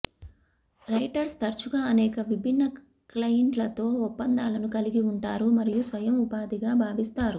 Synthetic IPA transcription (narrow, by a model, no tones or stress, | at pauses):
ɾɐjʈɐɾst̪ɐɾt͡ʃuɡaːɐnɛːkɐʋibʱinːɐ | klɐjɐɳʈlɐt̪o̞ːɔpːɐnd̪aːlɐnukɐliɡiuɳʈaːɾumɐɾijusʋɐjɐmupaːd̪iɡaːbʱaːʋist̪aːɾu